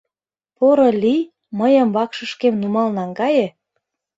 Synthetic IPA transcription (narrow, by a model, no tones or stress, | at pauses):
poɾolʲi | məjə̆mβɑkʃə̆ʃkemnumɑlnɑŋɡɑje